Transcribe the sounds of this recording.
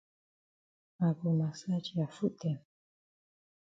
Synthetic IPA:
a˨ɡu˨ma˨sa˦t͡ʃi˨ja˨fu˦tɛ˨m

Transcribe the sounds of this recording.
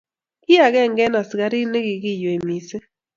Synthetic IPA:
ɡɪ˦a˨ɡɛ˦˨ŋɡɛ˦na˨sɡa˦ɾi˦ne˦ɡɪ˨ɡɪ˦jo˨e˨mi˨se˦

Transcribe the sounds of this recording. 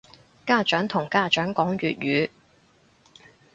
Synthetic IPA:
kaː˥t͡ʃœː˨˥ŋt̪ʰʊ˨˩ŋkaː˥t͡ʃœː˨˥ŋkɔː˨˥ŋɥyː˨t̚ɥyː˨˧

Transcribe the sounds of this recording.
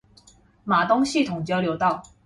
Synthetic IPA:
ma˨˩t̪ʊ˥ŋɕi˥˩t̪ʰʊ˨˩˦ŋt͡ɕjɑ˥ʊljo˧˥ʊt̪ɑ˥˩ʊ

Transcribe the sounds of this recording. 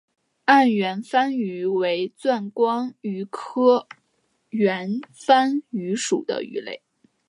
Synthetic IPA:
a˥˩nɥɛ˧˥nfa˥ny˧˥we˧˥ɪt͡swa˥˩nkwɑ˥ŋy˧˥kʰɤ˥ | ɥɛ˧˥nfa˥ny˧˥ʂṵ˨˩d̪ə̰˦y̰˧˥lḛ˥˩ɪ

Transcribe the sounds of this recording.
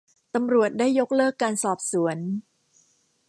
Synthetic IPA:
t̪a˧mɾu˨˩ət̪̚daː˥˩jːo˦˥k̚lɤː˥˩kːaː˧nsɔː˨˩p̚su˩˦ən

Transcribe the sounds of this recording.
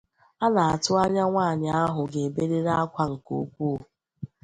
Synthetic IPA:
a˦na˨a˨tʊ˦a˦ɲa˦ŋʷaː˦˨ɲɪ˨a˦ɦʊ˨ɡe˨e˨be˦ɾe˦ɾa˦a˦kʷa˦ŋ̩˨ko̰˨kʷu˦o˨

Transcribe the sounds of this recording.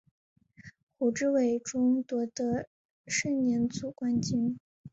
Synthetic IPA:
xu˨˩ʈ͡ʂɻ̩˥we˨˩ɪʈ͡ʂʊ˥ŋt̪wɤ˧˥d̪ə˧˥ | ʂə˥˩ŋnjɛ˧˥nt͡su˨˩kwa˥nt͡ɕi˥n

